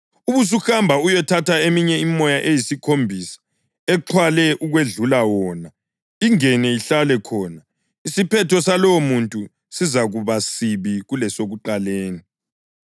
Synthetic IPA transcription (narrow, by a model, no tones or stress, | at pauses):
uβus̬uxambʱaujɛtʰatʰaemiɲɛimɔjaʔejisikʰombʱisḁ | ɛǃʰwalɛʔuɣweɮulawɔːna | iŋɛnɛiɬalɛkʰɔːna | isipʰɛtʰɔsalɔwomuntʼu | sizaɣuβasiβiɣulɛsoɣuǃaleːni